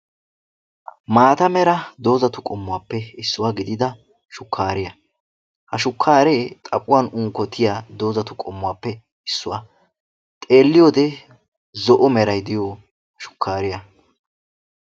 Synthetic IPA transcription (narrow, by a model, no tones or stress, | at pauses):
maːt̪ɐmɛɾɐd̪o̞ːzɐt̪ʊkʼɔmːʊwaːpːɛɪsːʊwaɡɪd̪ɪd̪ɐ | ʃʊkːaːɾɪjɐ | hɐʃʊkʰːaːɾeːt̪ʼɐpʼːʊwaːnʊŋkːɔt̪ʰɪjad̪o̞ːzɐt̪ʊkʼɔmːʊwaːpːɛ | ɪsːʊwa | t̪ʼe̞ːlːɪjoːd̪ɛ | zɔʔɔmɛɾɐjd̪ɪjo | ʃʊ̥kːaːɾɪjɐ